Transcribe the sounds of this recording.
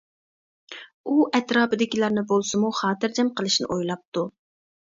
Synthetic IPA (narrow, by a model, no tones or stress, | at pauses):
uʔɛt̪ɾɑːpɨd̪ɪkʲilˠɑɾnɨbolˠsɨmuχɑːt̪ɨɾd͡ʒɛmqəlˠɨʃnɨ̰ʔojlˠɑp̚t̪u